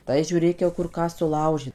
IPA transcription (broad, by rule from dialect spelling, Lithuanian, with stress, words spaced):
tɐɪ ʒʲuːˈrʲeːk jɛʊ ˈkʊr ˈkɑː sʊˈlˠɐʊʒʲeː